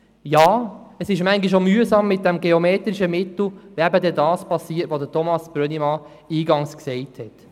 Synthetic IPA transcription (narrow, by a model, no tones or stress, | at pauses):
jɑːəsɪʃmæŋɡiʃ̬omyəzɑmːɪt̚d̥ɛmɡeomeːt̪ɾiʃəmɪt̪l̩væbədɛdɑːspɑsiːətʋod̪ətʰɔmɑsb̥ɾœnimɑ | iːɡɑŋsksɛɪthɛt